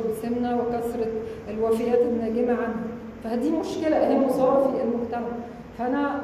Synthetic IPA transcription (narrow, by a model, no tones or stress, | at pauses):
besemnæwekæsɾˤɑelwæfejæːt̪emnæɡemæʕand̪i | fæhæd̪iːmoʃkelæʔæhiːmosˤɑːfiʔelmoɡt̪æmaæʕ | fæʔænæ